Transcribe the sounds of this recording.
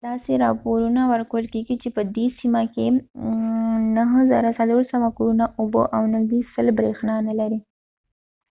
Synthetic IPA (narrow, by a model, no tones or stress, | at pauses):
d̪̥ɑseɾɑpoɾunawəɾkəwəlkeɡit͡ʃepəd̪esimake | naɦəzɑ̰ɾasaloɾsawakuɾunaʔoboʔawnəɦd̪isəlbɾexnɑnalaɾi